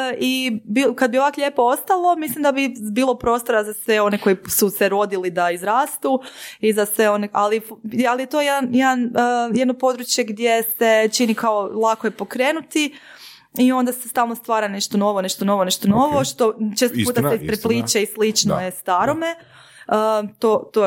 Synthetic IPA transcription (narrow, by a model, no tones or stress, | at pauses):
ibikad̪̚bio̞ʋakʎeːpoo̞st̪alˠo̞mislˠimd̪abibiːlˠo̞pɾo̞ːst̪oɾazasʋe̞o̞ne̞ko̞jisuseɾo̞d̪ilid̪aizɾaːst̪uizasʋe̞o̞neʔalifalijet̪o̞jed̪anjed̪anːjed̪nopo̞d̪ɾut͡ʃje̞ɡd̪je̞set͡ʃinikao̞lˠakojepo̞kɾe̞ːnut̪i | io̞nd̪asest̪aːlˠnost̪ʋaːɾaneʃt̪o̞no̞ʋone̞ʃt̪ono̞ʋone̞ʃt̪o̞no̞ʋo̞ʃt̪o̞t͡ʃe̞st̪ouːt̪aseispɾepliːt͡ʃeislit͡ʃnojest̪aɾome | ət̪ot̪o